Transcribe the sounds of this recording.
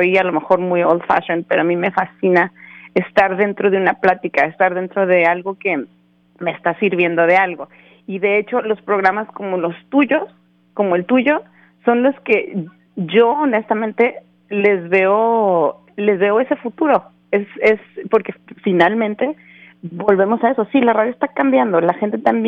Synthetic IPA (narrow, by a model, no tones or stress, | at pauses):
ojalo̞me̞xo̞ɾmujold̪fa̰ʃonpe̞ɾoamĩme̞fasinaest̪aɾðe̞nt̪ɾo̞ðe̞unaplat̪ikae̞st̪aɾðe̞nt̪ɾo̞ðe̞alɣo̞ke̞ | me̞ːst̪asiɾβje̞nd̪o̞ð̞e̞alɣo̞ | iðe̞et͡ʃo̞lo̞spɾo̞ɣ̞ɾamasko̞mo̞lo̞st̪uʝo̞s | ko̞moe̞lt̪uʝo̞ | so̞nlo̞ske̞ | ʝo̞ːne̞st̪amẽ̞nt̪e̞ | le̞zβe̞o | le̞zβe̞o̞e̞se̞fut̪uɾo̞ | esespo̞ɾkefinalmẽnt̪e̞ | bo̞lβe̞mo̞sae̞so̞silaraðjoest̪akambjand̪o̞laxent̪e̞t̪amb